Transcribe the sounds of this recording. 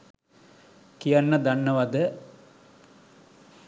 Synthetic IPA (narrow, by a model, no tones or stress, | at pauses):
kijanːəd̪anːəʋad̪ə